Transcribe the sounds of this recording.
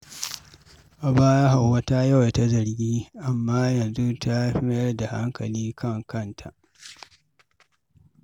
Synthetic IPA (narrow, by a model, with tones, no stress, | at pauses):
ʔa˨baː˦ja˦ha˨wːa˦ta˦ja˦˨wja˨ta˦zɐ˨ɾɡʲiː˦ʔa˨mːaː˦jɐ˨nzu˦ta˦ɸɪ˦mɐ˦jɐ˦rda˨ha˦ŋkɐ˨liː˦kʰɐ˦˨ŋkɐ˦ntʰa˨ʔ